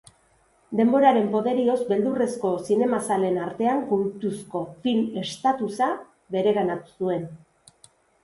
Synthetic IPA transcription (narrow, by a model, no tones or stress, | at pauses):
d̪e̞mbo̞ɾaɾe̞mpo̞ðe̞ɾio̞zbe̞ld̪ure̞sko̞sine̞masale̞naɾt̪e̞aŋkult̪usko̞file̞st̪at̪usa | βe̞ɾe̞ɾanat̪u̥sue̞n